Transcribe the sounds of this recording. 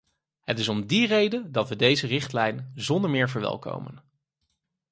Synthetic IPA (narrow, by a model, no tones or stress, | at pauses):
ɦətɪsɔmdirejdəndɑtʋədejzərɪχtlɛjnzɔndəɹmɪːɹvəɹʋɛ̰lˠko̰wmə̰n